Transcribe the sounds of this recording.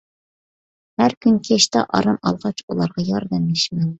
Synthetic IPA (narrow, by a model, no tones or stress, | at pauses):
hæɾkʲʰynkʲʰeʃt̪ɑ̰ʔɑ̰ɾɑmɑ̰lˠʁɑt͡ʃulˠɑɾʁɑjɑɾd̪ɛmjeʃmɛn